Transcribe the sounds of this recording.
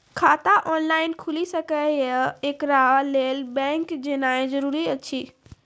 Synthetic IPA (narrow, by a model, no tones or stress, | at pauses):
kʰaːt̪aʔɔːnlaːɪnkʰʊlisɐkəeːkɾaleːlbɛ̃ːŋkd͡ʑeːnaːẽzɐɾuːɾiɐt͡ɕiː